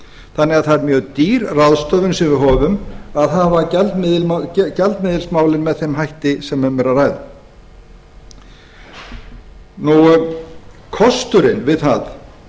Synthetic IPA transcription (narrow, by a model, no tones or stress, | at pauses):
θanːɛaðθaɛɾmjœːɣt̪iːɾraðst̪œːvʏnsɛmvɪɦɔːvʏmaðɦaðvacɛlt̪mɪðɪlcɛlt̪mɪðɪlsmaːwlɪnmɛðθejmɦajht̪ɪsɛmɛmɛɾaraːjðʏ | nu | kʰɔst̪ʏɾɪnvɪðθað